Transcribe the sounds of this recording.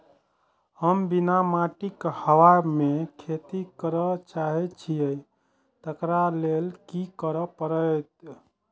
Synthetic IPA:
həmbinamaʈikhəwamekʰet̪ikəɾət͡ʃaɦɛt͡ʃʰijə | t̪əkɾalelkikəɾəpəɾət̪

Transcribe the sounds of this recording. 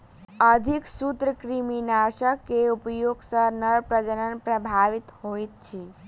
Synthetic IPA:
əd̪ʱiksut̪ɾəkɾiminaɾʃəkːeupjoɡsənəɭpɾəd͡ʒəɾənpɾəbʱaʋit̪hojt̪̚t͡ʃʰi

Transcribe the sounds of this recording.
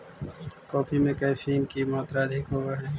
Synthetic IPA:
kɔːpʰimẽkɐjfiŋkimɔːt̪ɾaəd̪ʱɪkɦoːɡaɦɛː

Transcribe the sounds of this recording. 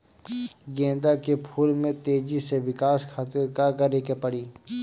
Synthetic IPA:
ɡẽːnd̪akepʰuːlmẽt̪eːd͡ʒiseʋɪkaːskʰaːt̪ɪɾkakəɾekepəɽiː

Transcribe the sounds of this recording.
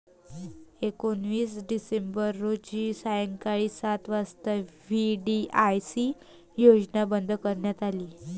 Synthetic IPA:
ekonʋiːsɖisembəɾːod͡ʑiːsajəŋkaɭiːsat̪ʋast̪əʋiɖiajsi | jod͡ʑnabənd̪ʱkəɾɳjat̪aliː

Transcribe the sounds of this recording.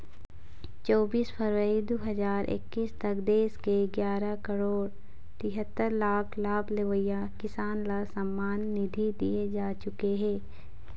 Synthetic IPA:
t͡ʃɔːbiːspʰəɾʋəɾid̪oːɦɐzaːɾʔɪ̰kːiːst̪ɐɡd̪eːskeɡjaːɾakəɾoːɽ | t̪ɪɦət̪ːəɾlaːkʰlaːbleʋəja | kɪsaːnlasɐmːaːnːɪd̪ʱid̪ḭed͡ʒaːt͡ʃʊkeɦɛ̃ː

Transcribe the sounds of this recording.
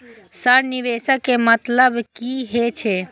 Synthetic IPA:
səɾniʋeːsəkːemət̪ləbkiɦet͡ʃʰe

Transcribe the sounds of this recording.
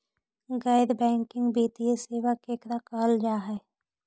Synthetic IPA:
ɡaːɪd̪bɛ̃ːŋkɪ̃ŋɡbiːt̪ieseːʋəkeːkɾakaːld͡ʒaːɦɛː

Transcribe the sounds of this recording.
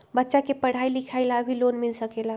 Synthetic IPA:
bətːʃakepəɽ̤ailikʰajlabʱilonmilsəkela

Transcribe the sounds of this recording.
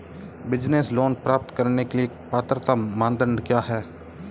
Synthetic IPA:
bɪd͡ʒnesloːnpɾaːp̚t̪kɐɾnekelie | paːt̪ɾət̪amãːnd̪əɳɖkjaːɦɛː

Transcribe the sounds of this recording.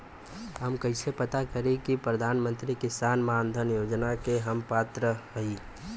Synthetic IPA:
ɦəmkəɪsepət̪akəɾẽkipɾəd̪ʱaːnmə̃nt̪ɾikɪsaːnmaːnd̪ʱənjoːd͡ʒnakeɦəmpaːt̪ɾəɦəi

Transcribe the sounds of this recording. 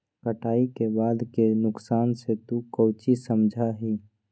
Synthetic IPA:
kəʈaːikebaːd̪kenʊksaːnset̪ukəʊt͡ʃisəmd͡ʒʱaɦiː

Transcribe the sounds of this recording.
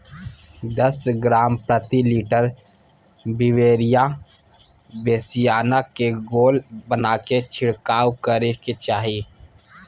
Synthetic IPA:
d̪əsɡɾaːmpɾət̪iliːʈəɾ | bɪweːɾija | beːsijaːnakeɡoːlbənaːket͡ʃʰɪɽkaːwkəɾeket͡ʃaːɦi

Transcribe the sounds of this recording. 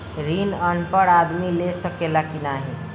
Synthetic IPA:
ɾinənpəɽad̪milesəkelakinaɦe

